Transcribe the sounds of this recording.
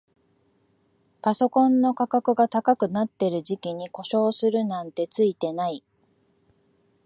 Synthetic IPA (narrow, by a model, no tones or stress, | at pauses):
paso̞kõ̞nːo̞kakakɯ̟ɡak̪t̪akakɯ̟nat̪ːe̞ɾɯ̟ʑikʲiɲ̟iko̞ɕo̞ːsɨɾɯ̟nãnt̪e̞t͡sɨit̪e̞nai